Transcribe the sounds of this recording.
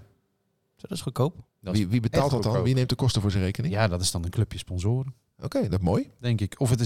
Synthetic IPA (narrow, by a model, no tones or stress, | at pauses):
sodɪsxəkoːp | iʋibətaːlˠtdɔtɔnʋinejmtdəkɔstəvʊːɹzərejkənɪŋjadɔtɪsdɔnənkløpjəspɔnzoːɾə | ʔokeːdɔtmoːjdɛŋkɪkɔfətɪ